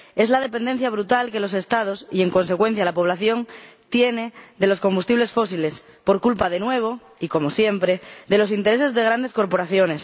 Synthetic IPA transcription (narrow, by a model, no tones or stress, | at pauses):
e̞zlað̞e̞pe̞nd̪e̞n̟θjaβ̞ɾut̪alke̞lo̞se̞st̪að̞o̞sie̞ŋkõ̞nsekwe̞n̟θjalapo̞β̞laθjo̞ŋt̪je̞ned̪e̞lo̞sko̞mbust̪iβlesfo̞sile̞s | po̞ɾkulpaðe̞nwe̞β̞o | iko̞mo̞sje̞mpɾed̪e̞lo̞s̬int̪e̞ɾe̞s̬e̞zðeɣ̞ɾand̪e̞sko̞ɾpo̞ɾaθjo̞ne̞s